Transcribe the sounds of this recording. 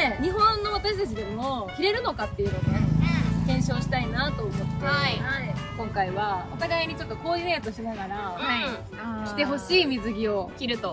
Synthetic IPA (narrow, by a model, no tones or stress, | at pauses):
eɲ̟iɦõ̞nːo̞β̞at̪aɕi̥t̪at͡ɕid̪e̞mokʲiɾe̞ɾɯ̟no̞kat̪ːe̞jɯ̟nod̪ekẽ̞ɰ̃ɕo̞ːɕi̥t̪ainat̪o̞ːmot̪ːt̪aakõ̞ŋkaiβao̞t̪aɡaiɲ̟it͡ɕo̞t̪ːo̞ko̞ːɯːjat̪o̞ɕinaɡaɾahai | kʲi̥t̪e̞ɦo̞ɕiːmʲizɨɡʲio̞kʲiɾɯ̟t̪o̞